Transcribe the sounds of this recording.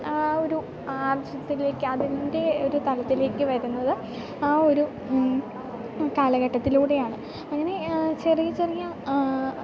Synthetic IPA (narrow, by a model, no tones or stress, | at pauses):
ao̞ɾu | aːrɐd͡ʑɐt̪ːile̞ːkːɨɐðinde̞o̞ɾut̪ɐlɐt̪ːile̞ːkːɨʋɐɾunːɐðɨ | aːo̞ɾu | kaːlɐɣɐʈːɐt̪ːiluːɽe̞jaːɳɨ | ɐŋːɐne̞t͡ɕerijit͡ɕːɐrɐjːa